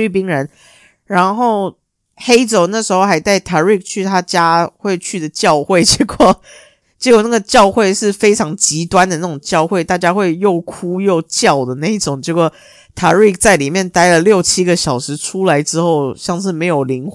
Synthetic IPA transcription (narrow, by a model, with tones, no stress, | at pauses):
y˥˩p̬i˥ŋɻə˧˦n | ɻa˧˥nxo˥˩ʊ | xe˥ɪʈ͡ʂo˨˩ʊna˥˩ʂɻ̩˧˥xo˥˧ʊxa˧˥ɪt̪a˥˩ɪt̪ʰa˧˥ɹi˥˧k̚t͡ɕʰy˥˩t̪ʰa˥t͡ɕja˥xwe˥˧ɪt͡ɕʰy˥˩d̪ə˩t͡ɕjɑ˥˧ʊxwe˥˩ɪt͡ɕjɛ˧˥kʰwɔ˥˩ | t͡ɕjɛ˧˥kwɔ˨˩na˥˩ɡə˩t͡ɕjɑ˥˧ʊxwe˥˧ɪʂɻ̩˥˩fe˥ɪʈ͡ʂʰɑ˧˥ŋt͡ɕi˧˥t̪wa˦nd̪ə˨na˥˩ʈ͡ʂʊ˨˩ŋt͡ɕjɑ˥˧ʊxwe˥˧ɪt̪a˥˩t͡ɕja˥xwe˥˧ɪjo˥˩ʊkʰu˥jo˥˧ʊt͡ɕjɑ˥˩ʊd̪ə˩na˥˧˩i˥˩ʈ͡ʂʊ˨˩ŋt͡ɕjkwɔ˥˩ | t̪ʰa˧˥ɹi˥˩k̚t͡sa˥˩ɪli˨˩mjɛ˥˨nt̪a˥ɪlə˨ljo˥˩ʊt͡ɕʰi˥ɡə˨ɕjɑ˨˩ʊʂɻ̩˧˥ʈ͡ʂʰu˥la˧˥ɪʈ͡ʂɻ̩˥xo˥˩ʊɕjɑ˥˧ŋʂ̬ɻ̩˥˩me˧˥ɪjo˨˩ʊli˧˥ŋ